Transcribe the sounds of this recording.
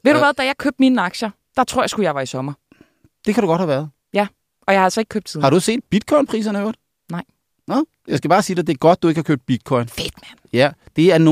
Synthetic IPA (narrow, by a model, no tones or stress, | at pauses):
ʋe̝ɾ̥uuʋæðˠd̥æjɑ̈ɪkʰøb̚d̥miːnɑ̈ɡ̥ɕɐ | d̥ɑ̈t͡sʰʁo̝ɐ̰jɑ̈sɡ̥ujɑ̈ɪʋɑ̈isɒ̽mɐ | d̥e̝kʰæɾuɡ̥ɒ̥̽hæʋæɐð̩ˠ | jæ | ʔɒ̽jɑ̈ɪhɑælsɒ̽eɡ̥̚kʰøb̥̚t͡sʰðˠhɑ̈ɾ̥use̝̰ːd̥̚b̥id̥̚kʰɒ̽ɪnpʰʁḭːs̬ɐnəøɐd̥ | nɑ̈ɪ̰ | nɔ | jɑ̈ɪsɡ̥æb̥ɑ̈ːsiːd̥ed̥e̝æɐɡ̥ɒ̽d̥̚ːue̝ɡ̥hɑkøːb̥̚b̥id̥̚kʰɒ̽ɪnfed̥mænjæd̥e̝æɐno